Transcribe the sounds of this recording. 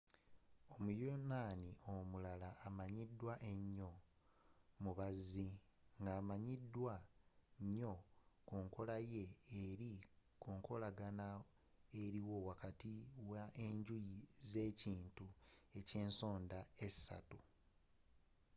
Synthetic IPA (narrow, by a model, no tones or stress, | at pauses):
omujonaːniomulalaːmaɲidwaʔe̞ɲːo̞ | muβaziŋɡaːmaɲidːwaɲːo̞koːŋko̞laje̞ːɾikoːŋko̞laɡana | eɾiwo̞wakatiwaʔeɲɟujize̞ːciːntue̞ce̞ːnso̞ːndaesa̰tu